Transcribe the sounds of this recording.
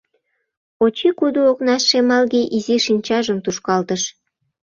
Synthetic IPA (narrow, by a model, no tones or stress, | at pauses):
ot͡ɕikud̪uoknɑsːemɑlɣeʔiziʃinʲt͡ɕɑʒəmt̪uʃkɑlt̪əʃ